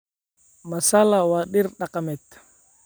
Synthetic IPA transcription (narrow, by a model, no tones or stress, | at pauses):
masalawaɗiɾɗakamɛt̪